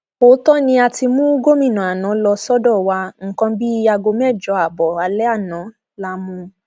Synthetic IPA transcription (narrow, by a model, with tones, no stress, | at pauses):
o˨˦tɔ˦nĩ˧a˧ti˧mũ˦ɡo˦mĩ˦˨nã˨a˨nã˨˦lɔ˧sɔ˦dɔ˦˨wa˧ŋ̩˨kã˧bi˦a˧ɡo˧mɛ˦˨d͡ʒɔ˨˦a˨bɔ˨a˨lɛ˦a˦˨nã˨˦ | la˦mũ˧